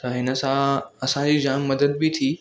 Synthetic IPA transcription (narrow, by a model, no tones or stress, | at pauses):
t̪əɦɪnəsãəsãd͡ʑiːd͡ʑaːmːəd̪əd̪̚bit̪ʰiː